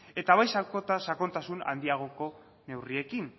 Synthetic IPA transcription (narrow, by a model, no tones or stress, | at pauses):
e̞t̪aβajsakot̪asako̞nt̪asuna̰nd̪iaɣ̞o̞ko̞ | ne̞wrie̞kin